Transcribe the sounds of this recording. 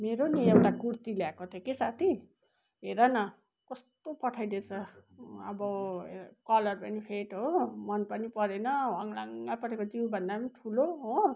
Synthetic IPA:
meɾoniewʈaɡurt̪ileakot̪ʰekesat̪ʰi | ɦeɾʌnʌ | kʌst̪opʌʈʰajd̪et͡sʰʌʌ̰bʌ | kʌlʌrpʌnipʰeʈɦomʌnpʌnipʌɾenʌʌŋlaŋɡapʌʈʰekod͡ziwbʱʌnd̪apʌniʈʰuloɦo

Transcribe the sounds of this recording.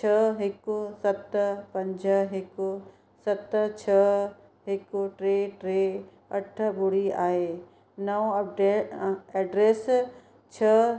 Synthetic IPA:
t͡ʃʰɐɦɪkʊsɐt̪pɐ̃ɲd͡ʑʱəɦɪkʊ | sɐt̪t͡ɕʰɐ | ɦɪkʊʈɾeːʈɾeː | ɐʈʰə̆ɓʊɽiaːɦe | nɐʋ̃ɐp̚ɖeːɛːɖɾeːs | t͡ɕʰɐ

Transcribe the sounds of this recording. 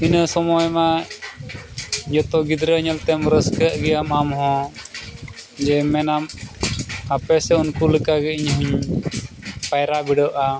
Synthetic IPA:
inəsɔmɔjma | d͡ʒɔt̪ɔɡid̪ɾəɲəlt̪ɛmɾəskəʔɡɛjamamɦɔ̃ | d͡ʒɛmɛnam | apɛsɛunkuləkaɡɛiɲɦuɲ | pajɾabiɖəʔa

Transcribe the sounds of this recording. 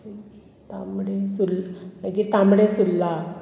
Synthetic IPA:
t̪amɽesulakit̪ãmɽesulːa

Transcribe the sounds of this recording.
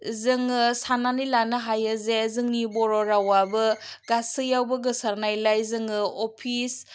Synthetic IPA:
zɯŋɯsananilanɐɦajɐzezɯŋnibɔɾoɾawabɐɡasɯjawbɐɡɐsaɾnajlajzɯŋɯopʰis

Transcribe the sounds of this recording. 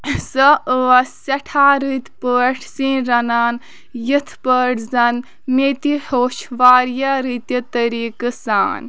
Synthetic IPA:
səəsɐʈʰaːɾɨt̪ʰpəːʈʰsĩɾɐnaːn | jɨt̪ʰpəːʈʰzɐn | met̪ihoːʃʋaːɾjaɾɨt̪jit̪əɾiːkɨsa̰ːn

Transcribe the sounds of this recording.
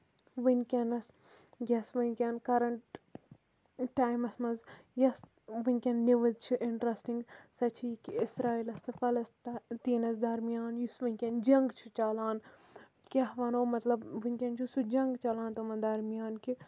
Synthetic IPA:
ʋɨnʲkʲɐnɐs | jɐsʋɨnʲkʲɐnkɐɾɐɳʈ | ʈːaːjmɐsmɐnzjɐs | ʋɨnʲkʲɐnːiʋɨzt͡ʃʰuʔɪɳʈɾɐsʈiŋɡsɐt͡ʃʰikiisɾaːilɐst̪ɨfɐlɐst̪ːt̪iːnɐsd̪ɐɾmijaːnjusʋɨnʲkʲɐnd͡ʒɐŋɡt͡ʃʰu̥t͡ʃɐlaːn | kʲɐɦʋɐnoːmɐt̪lɐbʋɨnʲkʲɐnt͡ʃʰusud͡ʒɐŋɡt͡ʃɐlãːnt̪omɐnd̪ɐɾmijaːnki

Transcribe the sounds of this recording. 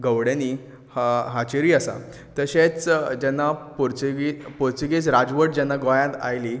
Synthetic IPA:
ɡəʋɽjaniː | haɦat͡ɕeɾiːasa̰ | t̪əɕet͡sd͡ʑɛnːapoɾt͡sɡipoɾt͡siɡet͡sɾad͡zʋəʈd͡ʑɛnːaɡɔjãt̪a̰jli

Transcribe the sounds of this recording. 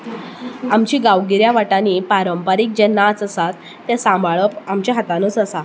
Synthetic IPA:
amt͡ɕiːɡaʋɡiɾjaʋaʈaniːpaɾəmpaɾiːk̚d͡ʑenat͡səsat̪ːẽsãmbaɭəpamt͡ɕaɦat̪anot͡səsa

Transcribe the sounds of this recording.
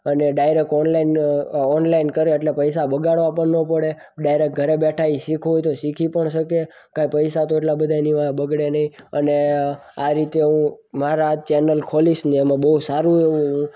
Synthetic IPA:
əneɖajɾek̚ʈɔnlainɔnlainkəɾeeʈlepəjsabəɡaɭʋapəɳnopəɽe | ɖajɾek̚ɡʱəɾebeʈʰaiʃikʰɦojt̪oʃikʰipəɳʃəke | kaipəjsat̪oeʈlabəd̪ʱajniʋabəɡɽenəĩəneaɾit̪eɦũ | maɾat͡ʃenəlkʰɔlisniemãbəusaɾũeʋũɦũ

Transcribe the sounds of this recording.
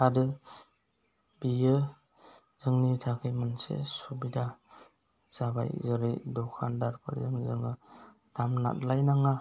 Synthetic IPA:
adɯ | bijɯ | zɯŋnitʰakʰɯjmansḛsubida | z̥aba̰jzɯɾejdɔkʰandaɾpʰɯ̰ɾzɯŋzɯŋɯ | d̥amna̰t̚lajnaŋa

